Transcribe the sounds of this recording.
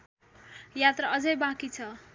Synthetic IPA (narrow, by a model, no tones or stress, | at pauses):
jat̪raʌd͡zʌjbãkit͡sʰʌ